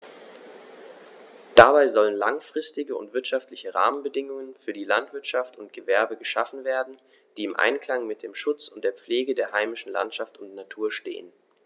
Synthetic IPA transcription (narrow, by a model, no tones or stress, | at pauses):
d̥abaɪzɔlənlaŋfʁ̥ɪstɪɡəʊ̰ntv̥ɪɐtʃaftlɪçəʁa̰ːmənbədɪŋʊŋənfyːɐdiːlantv̥ɪɐtʃaftʊntɡ̥əvɛɐbəɡəʃa̰fn̩veːɐdn̩ | d̥iːɪmʔa̰ɪnkl̥aŋmɪt̚d̥eːmʃʊt͡sʊntd̥eːɐp͡fleːɡədeːɐɦaɪmɪʃn̩la̰ntʃaftʊntnatʰuːɐʃtḛːən